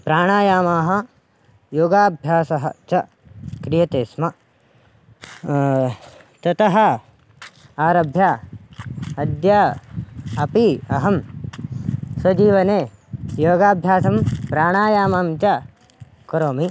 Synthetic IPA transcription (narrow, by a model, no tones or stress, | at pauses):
pɾaːɳaːjaːmaːɦɐ̆ | joːɡaːbʱjaːsɐɦɐ̰t͡ʃɐ | kɾijɐt̪eːsmɐ | t̪ɐt̪ɐɦɐ̆ | aːɾɐbʱjaː | ɐd̪jaː | ɐpiɐɦɐm | swɐd͡ʒiːʋɐneː | joːɡaːbʱjaːsɐmpɾaːɳaːjaːmaːmt͡ʃɐ | kɐɾoːmi